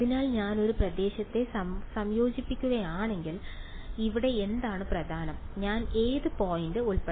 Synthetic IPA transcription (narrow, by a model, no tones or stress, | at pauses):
ɐðinaːlɲaːno̞ɾuprɐd̪e̞ːɕɐt̪ːe̞sɐsɐmjo̞ːd͡ʑipːikʲːuɣɐjaːɳe̞ŋɡil | iʋiɽe̞end̪aːɳɨprɐd̪ʱaːnɐmɲaːne̞ːðɨpo̞ːjindɨuɭpe